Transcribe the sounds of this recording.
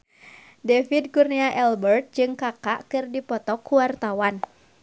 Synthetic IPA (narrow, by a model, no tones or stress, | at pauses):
dɛfid̚kurniaʔɛlbərt̪̚d͡ʒɨŋkakaʔkɨrdipɔt̪ɔkʰːuwart̪awan